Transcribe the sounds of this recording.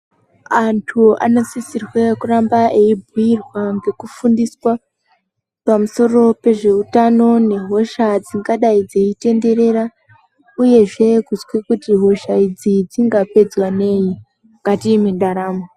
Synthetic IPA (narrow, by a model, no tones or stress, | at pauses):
antʰua̰nosisirwekurambaʔeibʱujirwaŋɡe̞kufundiswa | pamuso̞ro̞pe̞ʐe̞utano̞ne̞ɦo̞ʃad͡ziŋɡaɗaid͡ze̞ite̞nde̞ɾe̞ɾa | uje̞ʐe̞kuzwekutiɦo̞ʃaid͡zid͡ziŋɡape̞d͡zwane̞ji | ŋɡatimindaɾaːmo